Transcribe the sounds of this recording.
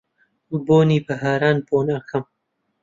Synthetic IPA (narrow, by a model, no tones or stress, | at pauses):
boːniːbɐɦaːɾaːnboːnɐxɐm